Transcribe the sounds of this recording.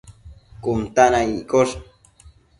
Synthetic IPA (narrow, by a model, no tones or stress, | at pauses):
kʊnt̪anaikoɾ